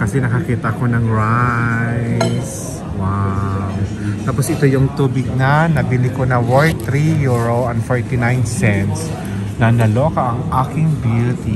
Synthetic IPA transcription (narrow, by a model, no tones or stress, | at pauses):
kɐsɛnɐkɐkiːt̪ɐʔɐko̞nɐŋɹajjs | waw | t̪aːposʔɪt̪o̞jʊŋt̪uːbɪɡ̚nɐnɐbɪlikonɐwɔɹt̪ɾijuɹoʔɐnfoɹt̪ɪnajnsɛnt̪s | nɐnɐlokɐʔɐŋʔakɪŋbjut̪i